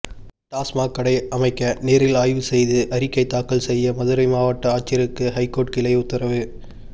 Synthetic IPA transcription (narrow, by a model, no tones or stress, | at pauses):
ʈaːsmaːkːɐɽɐɪʔɐmɐɪkːɐneːɾɪlaːjʋɯsɛjðɯʔɐɾɪkːɐɪt̪ːaːkːɐlsɛjːɐmɐðɯɾɐɪmaːʋɐʈːɐaːt͡ʃːɪɐɾɯkːɯɦɐɪkːoːʈkɪlɐɪʊt̪ːɐɾɐʋɯ